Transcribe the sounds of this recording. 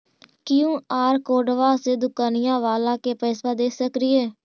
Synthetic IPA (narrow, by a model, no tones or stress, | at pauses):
kɪjũːaːɾkoːɖʋaːseːd̪ʊkaːnɪjãːʋaːlãːkeːpəɪsbaːd̪eːsəkɾɪɛː